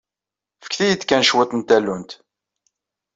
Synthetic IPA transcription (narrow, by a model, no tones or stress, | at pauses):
fə̥kθijəd̪kænʃwət̪ˤnt̪ælːunt̪